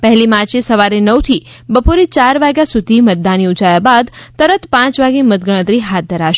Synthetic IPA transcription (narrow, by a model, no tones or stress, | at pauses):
pəɦɛlimaɾt͡ʃesəʋaɾenəwt̪ʰi | bəpoɾet͡ʃaɾʋaɡjasud̪ʱimət̪̚d̪aniud͡ʒajabad̪t̪əɾət̪pãt͡ʃʋaɡemət̪̚ɡəɭ̃ə̃t̪ɾiɦat̪̚d̪ʱəɾaʃ